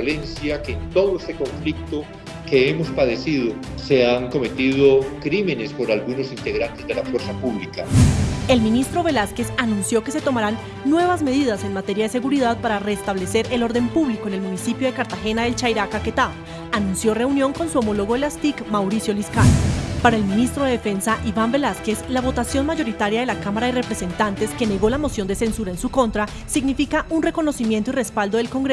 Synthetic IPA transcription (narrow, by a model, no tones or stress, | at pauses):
le̞nsjakeːnt̪o̞ðoest̪eko̞ɱflik̚t̪o | keemo̞spaðe̞siðo | se̞aŋko̞me̞t̪iðo̞kɾime̞ne̞spo̞ɾalɣuno̞sint̪e̞ɣɾant̪ezd̪e̞lafwe̞ɾsapuβlikae̞lminist̪ɾo̞βe̞laske̞sanũnsjoke̞se̞t̪o̞maɾanː | we̞βazme̞ð̞iðase̞nmat̪e̞ɾjaðe̞se̞ɣuɾiðaðpaɾare̞st̪aβle̞se̞ɾe̞lo̞ɾðe̞mpuβliko̞enelmunisipjo̞ð̞e̞kaɾt̪axe̞naðe̞lt͡ʃajɾakake̞t̪a | anũnsjo̞re̞unjo̞ŋko̞nsuo̞mo̞lo̞ɣo̞ðelast̪ikmawɾisjo̞liskalpaɾae̞lmĩnist̪ɾo̞ðe̞ðefe̞nsaʔiβambe̞laske̞slaβo̞t̪asjo̞nmaʝo̞ɾit̪aɾjaðe̞lakamaɾaðere̞pɾe̞se̞nt̪ant̪e̞ske̞ne̞ɣo̞lamo̞sjo̞nd̪e̞se̞nsuɾae̞nsuko̞nt̪ɾa | siɡnifikaʔunre̞ko̞no̞simje̞nt̪oire̞spald̪o̞ðelko̞ŋɡɾe